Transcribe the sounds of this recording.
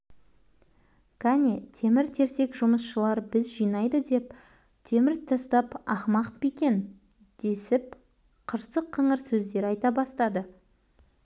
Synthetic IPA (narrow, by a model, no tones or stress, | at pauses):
kʰɑnʲet̪ʰe̞mɪɾt̪ʰe̞ɾse̞kʒʊməsʃəlˠɑɾbɪzʒijnɑjd̪əd̪e̞p̚ | t̪ʰe̞mɪɾt̪ʰɑst̪ɑpɑχmɑqpikʲe̞n | d̪̥e̞sɪp̚ | qʰəɾsəqʰːəɴəɾsɵzd̪e̞ɾɑjt̪ɑbɑst̪ɑd̪ə